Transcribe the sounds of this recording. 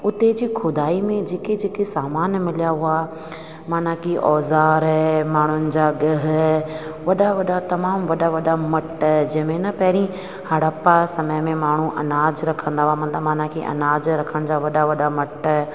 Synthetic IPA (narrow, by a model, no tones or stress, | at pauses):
ʊt̪ed͡ʑiːxʰʊd̪aːimẽd͡ʑeːked͡ʑeːkesaːmaːnmɪljaɦʊa | maːnãkiʔɔːzaːɾɛmaːɳ̤ʊnɪ̆d͡ʑaːɠɐɦ | ʋɐɗaʋɐɗat̪ɐmaːmʋɐɗaʋɐɗamɐʈd͡ʑɐ̃ɦɪ̃mẽnɐpɐɦɪɾĩ | hɐɽapasɐməjmẽmaːɳ̤ũʔɐnaːd͡ʑɾɐkʰə̃nd̪aɦʊamɐt̪ləbmaːn̤ãkʰeʔɐ̰naːd͡ʑɾɐkʰəɽ̃d͡ʑaʋɐɗaʋɐɗamɐʈ